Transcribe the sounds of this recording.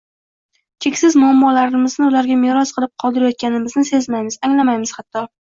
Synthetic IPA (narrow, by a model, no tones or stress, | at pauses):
t͡ʃʲʰe̞kʲsɪzmʊamːɒlaɾɪmɪznɪʊlaɾɡʲameɾɒsqʰɨlˠɪp̚qʰɒlˠd̪ɪɾajɒt̪̚kʲʰanɪmɪznɪse̞zmajmɪzaŋlamajmɪz̥hat̪ʰːɒ